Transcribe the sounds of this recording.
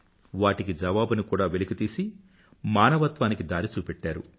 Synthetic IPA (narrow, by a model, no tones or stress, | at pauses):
ʋaːʈikid͡ʒɐʋaːbunikuːɽaːʋelikit̪iːsi | maːnɐʋɐt̪ʋaːnikid̪aːɾit͡ʃuːpɛʈːaːɾu